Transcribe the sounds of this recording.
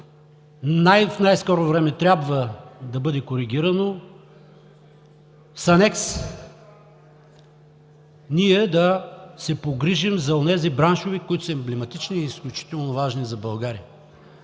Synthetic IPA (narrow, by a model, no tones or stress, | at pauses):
najfnajskɔɾovɾɛmɛt̪ɾʲabvəd̪ɐbɤd̪ɛkoɾiɡʲiɾɐno | sɐnɛks | niɛd̪ɐsɛpoɡɾiʒimzɐonɛzibɾanʃovikʊit̪osɐɛmblɛmɐt̪it͡ʃniːsklʲut͡ʃi̥t̪ɛlˠnovaʒnizɐbɐlˠɡaɾiə